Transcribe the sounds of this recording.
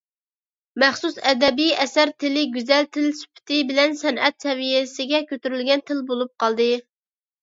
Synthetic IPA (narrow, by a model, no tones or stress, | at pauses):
mæχsusɛd̪ɛbijɛsæɾt̪ʰɪlɪɡʲyzɛlt̪ʰɪlsy̥pʰɪ̥t̪ʰɪbɪlɛnsɛnɛt̪sɛvijɪsɪɡʲɛkʲʰøt̪yɾylɡʲɛnt̪ʰɪlbolˠup̚qɑlˠd̪ɨ